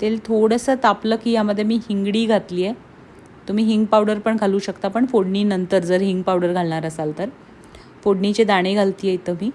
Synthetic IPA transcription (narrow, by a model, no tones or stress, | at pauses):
t̪elt̪ʰoɽəsəːt̪apləːkijaməd̪ʱːjemiːhiŋɡɽiːɡʱat̪liːe | t̪um̤iːɦiŋɡ̚pawɽəɾpəɳɡʱaluːɕəkt̪apəɳfoɽniːnənt̪əɾd͡zəɾɦiŋɡ̚pawɽəɾɡʱalɳaɾəsalt̪əɾ | foɽnit͡ɕed̪aɽ̃eɡʱalt̪iːjet̪əmiː